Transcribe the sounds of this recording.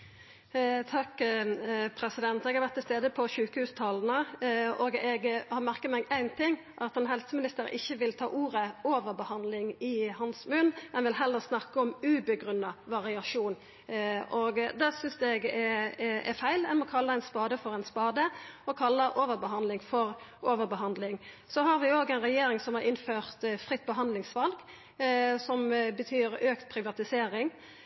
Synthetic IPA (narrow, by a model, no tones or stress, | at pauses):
t̪ʰɑkː | pʰɾɛsɪd̪ɛnt̪ɛɡhɑɾʋæt̪ʰːɪlst̪eːd̪əpʰɔʃʉːkəhʉːst̪ʰɑːln̩əɔɡɛɡhɑʁmæʁkət̪mɛːɡæɪnt̪ʰɪŋ | ʔɑt̪ɛnɦɛlsəmɪnɪst̪əɾɪ̰çːəʋɪlt̪ʰɑ̰ːʔuːɾəoːʋəɾbəhɑnd̪lɪŋɪhɑnsmʉnmɛnʋɪlɦɛlːəʁsnɑkːəɔmʉːbəɡɾʉnːɑʋɑʁɪɑʂuːn | ɔɡd̪ɛsʏnsd̪ɛɡɛɛ̰fæɪlɛnmɔkʰɑlːəɛɪnspɑːd̪əfɔɾɛɪnspɑːd̪əɔkʰɑlːəʔoːʋəɾbəɦɑnd̪lɪŋfɔʁoːʋəɾbəɦɑnd̪lɪŋ | sɔɦɑɾʋɪoːɡæɪnʁɛjeːɾɪŋsɔmhɑʁɪnføːʁt̪fʁɪt̪ːbəɦɑnd̪lɪŋsʋɑlɡ | sɔmbət̪ʰyːɾøːkt̪pʰɾɪʋɑt̪ɪseːɾɪŋ